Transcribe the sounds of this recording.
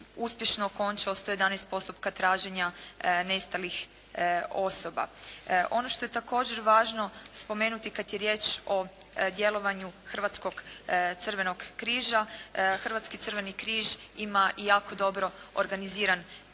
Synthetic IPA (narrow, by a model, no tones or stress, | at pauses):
uspʲje̞ʃnoːko̞nt͡ʃaost̪o̞je̞d̪anɛejst̪̚po̞st̪upkat̪ɾaːʒeɲane̞st̪alix | o̞so̞ba̰ʔo̞noʃt̪o̞je̞t̪ako̞ːd͡ʑe̞ɾʋaːʒno̞spo̞me̞ːnut̪ikad̪je̞ɾje̞ːt͡ʃo̞ | d̪je̞lo̞ʋaɲuxr̩ʋat̪sko̞ɡ̥t̪sr̩ʋe̞no̞ɡkɾiːʒaxr̩ʋat̪skit̪rʋe̞nikɾiːʒimaʔijaːko̞d̪o̞bɾo̞oɾɡaniziːɾan